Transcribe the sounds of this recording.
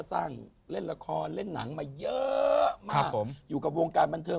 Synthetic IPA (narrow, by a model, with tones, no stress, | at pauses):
saː˥˩ŋ | le˥˩nɾa˧kʰɔː˧nle˥˩nːa̰˩˦ŋmaː˧jɤ˦˥ma˧a˦˧˥pkːo˩˦mjuː˨˩ka˨˩woː˧ŋkaː˧nba˧nt̪ʰɤː˧